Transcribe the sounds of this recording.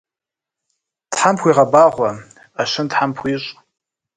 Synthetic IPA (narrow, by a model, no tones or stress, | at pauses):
tħampʰʷiʁabaʁʷa | aʃʷɨntħampʰʷiɕʷʼ